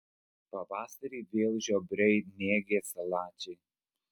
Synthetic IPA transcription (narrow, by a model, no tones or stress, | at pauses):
pɐʋɑːsɐɾʲiːʋʲeːlˠʒʲoːbʲɾʲɛɪnʲeːɡʲeːsɐlˠɑːt͡ʃʲɛɪ